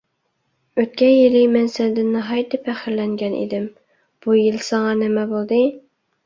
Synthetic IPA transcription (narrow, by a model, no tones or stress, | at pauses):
øt̪̚kʲɛnjilɪmɛnsænd̪ɪnːɨɦɑjt̪ɪpʰæχɪɾlɛŋɡʲɛnḭd̪ɪm | b̥ujilsɑŋɑnɪmɛbolˠd̪ɨ